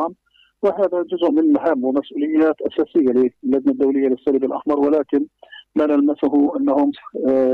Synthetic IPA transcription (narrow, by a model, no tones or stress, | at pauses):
m | wɪɦaːðad͡ʒʊzʊʔmɪnmaɦamːwɪmasʔuːlɪjːaːt̪ʔasaːsɪjːalɪlːad͡ʒnad̪ːawlɪjːalɪsːaːlɪbɪlʔa̰ħmɑɾˤwɪlaːkɪnlanalmasʊɦʊʔanːahʊm